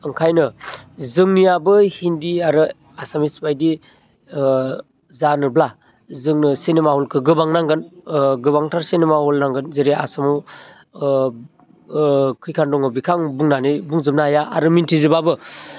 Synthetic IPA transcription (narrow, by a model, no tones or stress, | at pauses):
ɯŋkʰajnɯzɯŋnijabɯhindiaɾɯ | asamisbajdi | zanɯbla | zɯŋnɯsinemahɔlkʰɯɡɯbaŋnaŋɡɯnɡɯbaŋtʰaɾsinemahɔlnaŋɡɯnzeɾea̰samɔw | kʰɯjkʰandɔŋɯbikʰaŋbuŋnanɯbuŋzɯmnaajaa̰ɾɯmintʰizibabɯ